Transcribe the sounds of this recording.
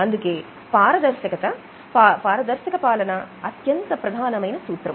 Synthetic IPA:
ɐnd̪ɯkːeː | paːɾɐd̪ɐɾsɐkɐt̪ɐ | papaːɾɐd̪ɐɾsɐkɐpaːlɐnɐɐt̪jɐnt̪ɐpɾɐd̪ʱaːnɐmɐɪnɐsuːt̪ɾɐm

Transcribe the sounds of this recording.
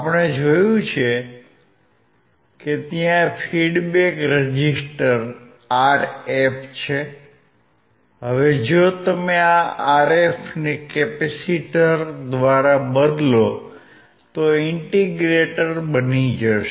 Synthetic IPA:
apəɽ̃ed͡ʒojũt͡ʃʰe | ket̪jãfʰiɖbekɾəd͡ʒisʈəɾ | aɾept͡ʃʰe | ɦəʋed͡ʒot̪əmeaaɾefʰnekɛpɛsiʈəɾd̪ʋaɾabəd̪lo | t̪oɪɳʈiɡɾeʈəɾbənid͡ʒəʃe

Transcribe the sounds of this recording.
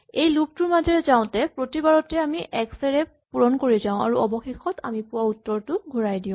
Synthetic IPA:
ejluk̚tuɹmazɛɹɛzaʊ̃tɛpɹotibaɹɔtɛamiʔɛksɛɹɛ | puɹɔnkoɹizaʊ̃a̰ɹuɔbɔxexɔtʰa̰mipuwautːɔɹtʊɡʱoɹajdiʊ̃

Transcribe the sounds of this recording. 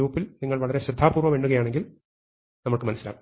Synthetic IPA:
uːpːilniŋːɐɭʋɐɭɐɾe̞ɕɾid̪ʱːaːpuːrʋɐmʋe̞ːɳɖuɣɐjaːɳe̞ŋɡil | nɐmɐɭkɨmɐnɐsːila̰ːkːu

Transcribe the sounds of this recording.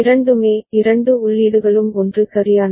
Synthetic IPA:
ɪɾɐɳɖɯmeːɪɾɐɳɖɯʊɭːiːɽɯɣɐɭɯmɔndrɯsɐɾɪjaːn

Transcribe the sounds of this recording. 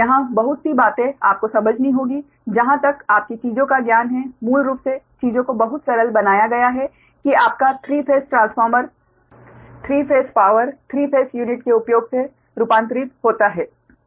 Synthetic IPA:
jɐɦãbɐɦʊt̪sibaːt̪ẽaːp̚kosɐməd͡ʒʱnĩɦoːɡi | d͡ʒɐɦãt̪ɐkaːp̚kit͡ʃiːzõkaɡjaːnɦɛmuːlɾuːpset͡ʃiːzõkobɐɦʊt̪ʃɐɾəlbɐnaːjaɡɐjaɦɛ | kiaːp̚kat̪ʰɾiːpʰeːsʈɾãːnsfɔːɾməɾ | t̪ʰɾiːpʰeːspaːʋəɾt̪ʰɾiːpʰeːsjuːnɪʈkeʊpjoːɡse | ɾupãːnt̪ɾɪt̪ɦoːt̪aɦɛː

